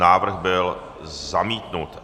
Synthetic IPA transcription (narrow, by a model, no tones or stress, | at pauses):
naːvr̩ɣbɪl | zamiːt̪nut̪